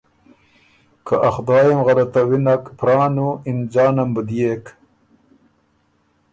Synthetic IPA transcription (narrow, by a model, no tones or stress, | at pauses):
kaʔɐxd̪ɑːjemɣɐɾɐt̪ɐwinɐkpɾɑːnuind͡ʑɑːnɐmbəd̪ijek